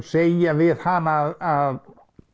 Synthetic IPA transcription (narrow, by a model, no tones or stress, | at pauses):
sejavɪð̥hanaðað